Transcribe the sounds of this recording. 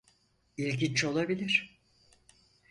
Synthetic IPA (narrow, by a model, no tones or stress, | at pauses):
ilʲɡʲint͡ʃo̞lˠabilʲiɾ̥